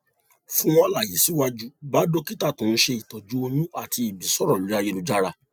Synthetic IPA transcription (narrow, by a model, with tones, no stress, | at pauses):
fũ˦w̃ɔ̃˧la˦˨ji˨˦si˨˦wa˦d͡ʒu˦ba˨˦do˦ki˦ta˦˨tũ˨˧n̩˦ʃe˧i˨tɔ˨d͡ʒu˦o˧nĩ˦a˦˨tʰiː˧˨bi˨sɔ˦ɾɔ̃˦˨u˨ɾi˦a˧je˧nũ˨˧d͡ʒa˦ɾa˧